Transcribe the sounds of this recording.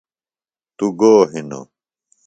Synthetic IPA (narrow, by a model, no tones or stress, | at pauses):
t̪uɡoːɦino̰